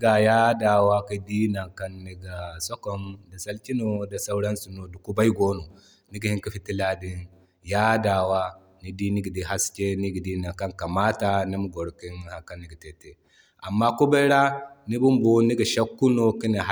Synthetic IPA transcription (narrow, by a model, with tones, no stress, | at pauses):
ɡa˨ja˦da˨wa˦ki˦di˦na˨ka˦nːi˦ɡa˨sɔ˦kɔ˨mda˨sɐ˦lkʲi˦no˨da˨sa˦wɾɐ˦nsu˨no˨du˨ku˦ba˦jɡoː˦no˨ | ni˦ɡa˨hi˦ŋkɐ˦ɸi˦ti˦la˦di˦n | ja˦daː˨wa˦ | ni˦di˦ni˦ɡa˨di˨ɦa˦skʲe˦ni˦ɡa˨di˦na˨ŋka˦ŋka˨maː˦ta˨ni˦mu˨˦ɡɔ˨ɽki˦nha˨ka˦nːi˦ɡa˨te˦te˦ | ʔa˨mːa˦ku˦ba˦jɾa˦ni˦bu˦mbo˦ni˦ɡa˨ʃa˦kːu˦no˦ki˦ni˨ɦ